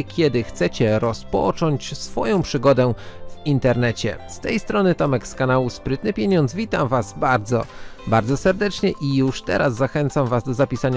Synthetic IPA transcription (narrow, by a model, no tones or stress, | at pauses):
kʲʰɛd̪ɘxt̪sɛt͡ɕɛɾɔspɔ̰t͡ʂɔɲt͡ɕsfɔ̰jɔ̃w̃pʂɘɡɔd̪ɛvint̪ɛɾnɛt͡ɕɛ̰st̪ɛjst̪ɾɔnɘt̪ɔmɛkskanawuspɾɘt̪nɘpʲjɛɲɔnd̪zvʲit̪amvasbaɾd̪zɔ̰baɾd̪zɔsɛɾd̪ɛt͡ʂɲɛʔijuʂt̪ɛ̰ɾazːaxɛnt̪samvazd̪ɔzapʲisaɲa